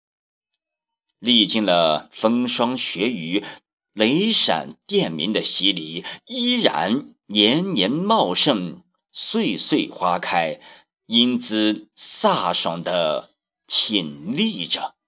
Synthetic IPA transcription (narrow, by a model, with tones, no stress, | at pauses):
li˥˧t͡ɕi˥˩nlə˩fɤ˥ŋʂwɑ˥ŋɕɥɛ˧˥y˧˥ | le˧˥ɪʂa̰˨˩nt̪jɛ˥˩nmḭ˧˥nd̪ə˧ɕi˥li˨˩˦i˥ɻa̰˧˥n | njɛ˧˥nnjɛ˧˥nmɑ˥˧ʊʂɤ˥˧ŋ | swe˥˧ɪswe˥˩ɪxwa˥kʰa˥ɪ | i˥nt͡sɹ̩˥sa˥˩ʂwɑ̰˨˩ŋd̪ə˦ | t͡ɕʰi˨˩nli˥˩ʈ͡ʂə˨˩